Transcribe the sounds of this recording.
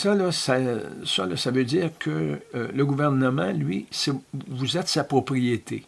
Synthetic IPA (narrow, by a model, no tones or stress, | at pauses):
sɔlɔsasʌ̰lɔsavød͡ziːʁkʰələɡuvɛʁnəmɑ̃lɥisɛvuzɛt̪sapʁɔpʁijet̪ʰe